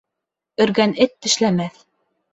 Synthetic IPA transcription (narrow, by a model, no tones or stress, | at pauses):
ɵ̆ɾɡænɘt̪ːɘ̆ʃlæmæθ